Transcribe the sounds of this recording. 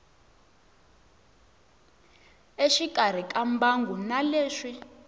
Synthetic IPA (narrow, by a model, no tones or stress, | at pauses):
eʃikar̤ikambaŋɡunaleːʂi